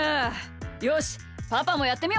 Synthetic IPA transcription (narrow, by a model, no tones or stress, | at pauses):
joɕ | papamo̞jat̪ːe̞mʲio